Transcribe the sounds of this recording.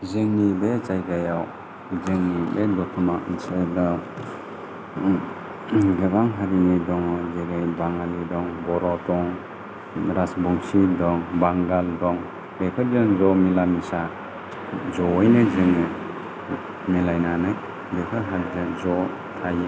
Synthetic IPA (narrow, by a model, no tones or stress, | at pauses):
zɯŋnibet͡ʃajɡajaw | zɯŋnibedɔtʰumainsɯjdɔ | ɡɯbaŋɦaɾinidɔŋzeɾɯjbaŋalidɔŋbɔɾɔtɔŋ | ɾasbuŋsidɔŋbaŋɡaldɔŋ | bekʰɯɾd͡ʒɯnzɔmilamisa | zɔːjnɯzɯŋnɯ | milajnanɯj | bekʰɯɦaɾid͡ʒɯzɔ | tʰaj